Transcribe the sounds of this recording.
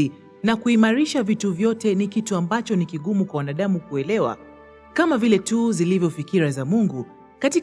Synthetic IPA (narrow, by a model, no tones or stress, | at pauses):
i | nakuimaɾiʃavituvjɔtɛnikituambat͡ʃɔnikiɠumukwawanaɗamukuɛlɛwa̰ | kamavilɛtuːzilivjɔfikiɾazamuŋɡu | kati